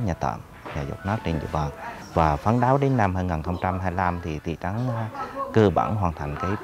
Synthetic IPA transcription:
ɲaː˨˩t̪ə̰ː˧˩m | ɲaː˨˩zo̰˨˩k͡p̚nə˦˥k̚t͡ɕe˧nɲɨ̰˧˨vəː˨˩n | vaː˨˩faː˨˦nɗaː˨˦wɗe˨˦nːa˧mhaː˧nŋaː˨˩nxə˧wŋ͡mt͡ɕa˧mɦaː˧jla˧mt̪ʰi˨˩t̪ʰḭ˧˩t͡ɕa˨˦ŋkɨ˧ɓa̰˧˩nɦwaː˨˩nt̪ʰa˨˩jŋ̟kaː˨˦j

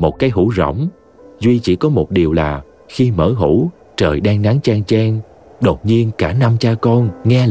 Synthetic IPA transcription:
mo˨˩t̚kaː˨˦jɦu˧˥zo̰˧˨wŋ͡m | zwi˧t͡ɕḭ˧˩kɔ˨˦mo˨˩t̚ɗi˨˩əwlaː˨˩ | xi˧məː˧˩ɦu˧˩ | t͡ɕəː˨˩jɗaː˧ŋna˨˦ŋt͡ɕaː˧ŋt͡ɕaː˧ŋ | ɗo˨˩t̚ɲi˧ənkaː˧˩na˧mt͡ɕaː˧kɔ˧nŋɛ˧

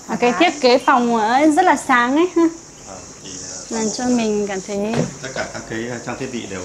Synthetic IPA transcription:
aː˨˩kaː˨˦jt̪ʰi˦˥ək̚kːe˨˦fa˨˩wŋ͡mʔəː˧˩˦zə˦˥t̚laː˨˩saː˨˦ŋʔə˨˦jhaː˧˨˩ | laː˨˩mt͡ɕɔ˧mï˨˩ŋ̟kaː˧˩mt̪ʰə˨˦jt̪t̚kaː˧˩kaː˦˥kːi˨˦˧t͡ɕaː˧ŋt̪ʰi˦˥t̚ḭ˧˨ɗe˨˩w

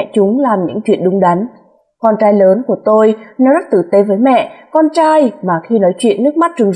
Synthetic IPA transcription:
t͡ɕʊ˨˦ŋ͡mlaː˨˩mɲɨ̰˧˥ŋt͡ɕwḭ˧˨ənɗʊ˨˦ŋ͡mɗa˨˦n | kɔ˧nt͡ɕaː˧jləː˨˦nku˧˩ət̪o˧jnɛ˨˧˦wza˦˥t̚t̪ɨ̰˧˨t̪e˨˦vəː˨˦jmɛ̰˧˨kɔ˧nt͡ɕaː˧jmaː˨˩xi˧nɔ˨˦jt͡ɕwḭ˧˨ənːɨ˦˥ək̚ma˦˥t̚t͡ɕɨ˨˩ŋ

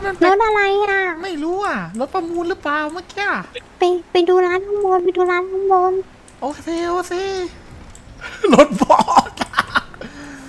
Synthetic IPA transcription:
na˥˩˨lo˦˥t̪̚ʔa˧ɾa˧jʔa˧˩ma˥˩jɾuː˦˥ʔa˧˩lo˧˦˥t̪̚pa˧muː˧nlɯː˦˥plaː˧wmaː˧˩ki˧˥ɐ˨pa˧jpa˧jduː˧laː˦˥nkʰa˧˥boː˧npa˧jduː˧laː˦˥nkʰa˧˥ŋboː˧n | ʔoː˧kʰeː˧ʔoː˧kʰeː˧ | lo˦˥t̪̚bɔː˨˩ka˧˩

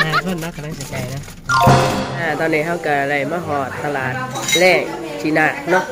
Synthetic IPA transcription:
aː˧˩mɯ˧˥˨nːa˦˥kʰa˧˨aː˧˥˩t͡ɕa˨˩pa˧˩jna˦˥˧ | ʔaː˧˩t̪ɔː˧nːiː˧˥ɦa˧˩˨wka˧˩˧ɾa˧˩jmaː˧˩ɦɔː˨˩t̪ʰːa˧laː˨˩t̪̚leː˥˩k̚t͡ɕʰi˧˩naː˧˩nɔ˦˥

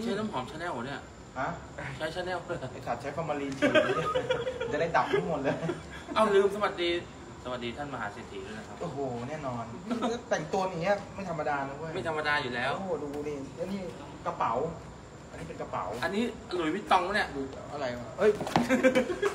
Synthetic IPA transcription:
t͡ɕʰa˦˥naː˥˩mkʰɔː˩˦mt͡ɕʰa˦˥nɛː˥˩wni˥˩ɐ˩ | ha˦˥˧ | t͡ɕʰa˦˥jt͡ɕʰa˦˥nɛː˥˩wt͡ɕʰa˨˩t̚t͡ɕʰa˦˥jpʰa˧maː˧liː˧nt͡ɕʰi˥˩˧a˨˩t͡ɕa˨˩da˥˩jda˨˩p̚t̪ʰuː˦˥˩mo˨˩t̪̚lɤː˧ | ʔa˧˩lɯː˧msa˧wa˨˩t̪̚diː˧ | sa˧wa˨˩t̪̚diː˧t̪ʰa˥˩nma˧ɦaː˨˦se˨˩t̪ʰḭ˨˦duː˧˥˩na˦˩kʰa˦˥ʔoː˨˩ɦoː˨˩nɛː˥˩nɔː˧n˥˩˥ | t̪ɛ˨˩ŋt̪u˧ɐn˨˩ŋːni˦˥ɐma˥˩jt̪ʰa˧mːa˧daː˧nɯː˧˦u˥˩˨jma˥˩jt̪ʰa˧ma˧daː˧juː˨˩lɛː˦˥woː˧˩duː˧niː˧˩˧niː˥˩ | ka˧pa˩˦w | ʔa˧niː˦˥pe˧nka˧pa̰˩˦wʔa˧nːiː˦˥ʔa˧lu˨˩˦jwi˦˥t̪ːɔ˧ŋ˦ni˥˩ɐduː˧ | ʔa˧ɾa˧ja˧˥˩ʔɤ˦˥˩j

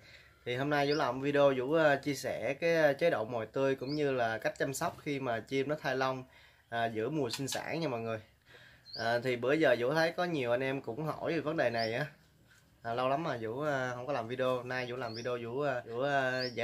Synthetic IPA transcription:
t̪ʰi˨˩ɦo˧mnaː˧jzṵ˧˥la˨˩ŋ͡mvi˧ɗi˧o˧zṵ˧˥ʔːt͡ɕi˧əsɛ˧˩kaː˨˦jt͡ɕə˨˦jɗo̰˧˨mɔ̰˨jt̪ɨ˧əjkʊ̰˧˥ŋ͡mɲɨ˧laː˨˩ka˦˥k̟̚t͡ɕa˧msa˦˥wk͡p̚xi˧maː˨˩t͡ɕi˧əmnɔ˨˦t̪ʰaː˧jlə˧wŋ͡m | ʔaː˨˩zɨ̰˧˥əmu˨˩əsï˧ŋ̟sa̰ː˧˥ŋɲa˧mɔː˨jŋɨ˨˩əj | ʔaː˨˩t̪ʰi˨˩ɓɨ˧˩əjzəː˨˩zṵ˧˥t̪ʰə˨˦jkɔ˨˦ɲi˨˩əwʔa˧jnʔɛ˧mkʊ̰˧˥ŋ͡mɦɔ̰˧˩jzɨ˨˩və˨˦nɗe˨˩na˨˩jʔaː˨˦ | ʔːlə˧wla˨˦mːaː˨˩zṵ˧˥˧hə˧wŋ͡mkɔ˨˦laː˨˩mvi˧ɗi˧o˧naː˧jzṵ˧˥laː˨˩mvi˧ɗo˧zṵ˧˩˧u˧˥˧

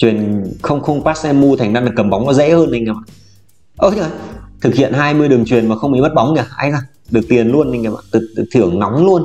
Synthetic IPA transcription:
t͡ɕwi˨˩ənxə˧wŋ͡mxə˧wŋ͡mpaː˦˥t̚sɛ˧mːu˧t̪ʰa˨˩ŋza˧nɗɨ˨˩kə˨˩mɓa˨˦wŋ͡mnɔ˨˦zḛ˧˥həː˧na˧jŋa˧˩mɓa̰ː˧˨ | ʔəː˧˩ɲ˧˨a˧˩t̪ʰɨ˨˩k̚hḭ˧˨ənhaː˧jmɨ˧əjɗɨ˨˩əŋt͡ɕwi˨˩ənmaː˨˩xə˧wŋ͡mḭ˧˦mə˦˥t̚ɓɔ˨˦wŋ͡mɲa˧˩˧a˧jzaː˧˩ | ɗɨ˨˩ək̚t̪i˨˩ənlu˧əna˧jŋa˧˩ma̰ː˧˨t̪ɨ˨˩˨t̪ʰɨ˧˩əŋnɔ˨˦wŋ͡mlu˧ən

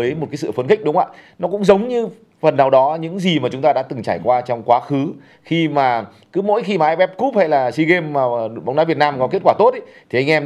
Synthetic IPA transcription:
jmo˨˩kaː˨˦s̬ɨ̰˧˨fə˧nkï̟˦˥ɗʊ˨˦ŋ͡mʔa̰ː˧˨nɔ˨˦kʊ̰˧˥ŋ͡mzə˨˦wŋ͡mɲɨ˧ | fə˨˩nːaː˨˩wɗɔ˨˦ɲɨ̰˧˥ŋzi˨˩maː˨˩t͡ɕʊ˨˦ŋ͡mt̪aː˧ɗa̰ː˧˥t̪ɨ˨˩ŋt͡ɕaː˧˩jkwaː˧t͡ɕɔ˧wŋ͡mkwaː˨˦xɨ˨˦ | xi˧maː˨˩ | kɨ˨˦mo̰˧˥jxi˧maː˨˩ʔaː˧jɓɛ˦˥p̚ku˦˥p̚ha̰˧˥jlaː˨˩si˧ɣe˧mːaː˨˩˨ɓwŋ͡mɗaː˨˦vi˨˩ət̚naː˧mkɔ˨˦ke˦˥t̚kwaː˧˩t̪o˦˥t̚ʔi˨˦ | t̪ʰi˨˩ʔa˧ŋʔɛ˧m

